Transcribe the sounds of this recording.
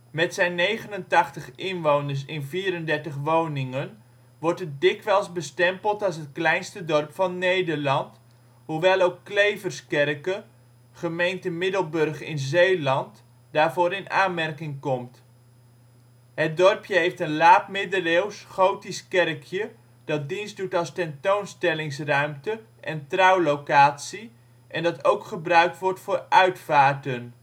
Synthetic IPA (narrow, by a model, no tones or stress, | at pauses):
mɛtsɛjnːejχənəntɑχtəχɪnʋownəɹs̬ɪnviːɾəndɛɹtəχʋownɪŋən | ʋɔɹtət̚dɪkʋɛlˠsbəstɛmpəlˠtɑlˠs̬ɦətklɛjnstədɔrpfɑnːejdəɹlɑnt | ɦuʋɛlˠowkːlejvərskɛrkə | χəmejntəmɪdəlˠbɵrχɪ̰nzejlɑnt | d̥aːɹvʊːɾɪnaːnmɛrkɪŋkɔmt | ɦət̚dɔrpjəɦejftənlaːp̚mɪdəlewsχowtiskɛrkʰjə | d̥ɑt̚dinsdutɑlˠstɛntownstɛlɪŋs̬rœɥmtə | ʔɛntrɑwlowkaːtsi | ʔɛndɑtowkχəbrœɥk̚tʋɔɹtfʊːrœɥtfaːɹtən